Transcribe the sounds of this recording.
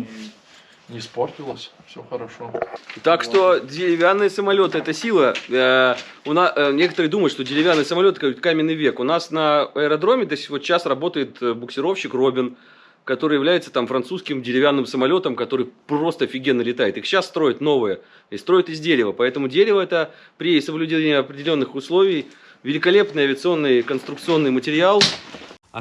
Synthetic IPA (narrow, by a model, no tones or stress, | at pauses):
nʲɪsportʲɪlˠəsʲfsʲoxəɾɐʂot̪akʂt̪o̞dʲɪɾʲɪvʲanːɨjəsəmɐlʲo̞t̪ɨɛt̪əsʲilˠə | ʊnanʲe̞kə̥t̪əɾɨjəd̪uməjʊtʂt̪odʲɪɾʲɪvʲanːɨjsəmɐlʲokoɪt̪kamʲɪnːɨjvʲe̞kʊnasnəɐɪəɾɐd̪ɾo̞mʲɪt̪osʲtʲvot̪t͡ɕːasrɐbo̞t̪əjɪt̪bʊksʲɪɾo̞fɕːɪkro̞bʲɪn | kɐt̪o̞ɾɨjɪvlʲæjɪt̪sə̥t̪amfɾɐnsuskʲɪmdʲɪɾʲɪvʲanːɨmsəmɐlʲo̞t̪əmkɐt̪o̞ɾɨjpro̞st̪əɐfʲɪɡʲenːəlʲɪt̪ajɪt̪ixɕːasːt̪ɾo̞jɪt̪no̞vɨjə | ist̪ɾo̞jɪt̪ɪzʲdʲeɾʲɪvəpɐɛt̪əmʊdʲeɾʲɪvəɛt̪ə | pɾʲɪsəblʲʉdʲeenʲɪɐpɾʲɪdʲɪlʲo̞nːɨxʊslˠovʲɪj | vʲɪlʲɪkɐlʲe̞pnɨjɐvʲɪət̪sɨo̞nːɨjkənst̪ɾʊkt̪sɨo̞nːɨjmətʲɪɾʲɪalˠ